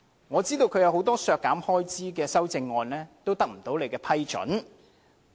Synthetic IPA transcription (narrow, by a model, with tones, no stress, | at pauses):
ŋɔː˨˧t͡siː˥t̪o˧wkʰɵ˨˧ɥjɐ˨˧who˨˥wt̪ɔː˥sœː˧kːaː˨˥mhɔː˥jt͡siː˥kɛː˧sɐ˥wt͡sɪ˧ŋːɔː˧nlɛː˥t̪o˥wt̪ɐ˥k̚m̩˨˩t̪o˨˥wle˨˧jkɛː˧pʰɐ˥jt͡ʃɵ̰˨˥n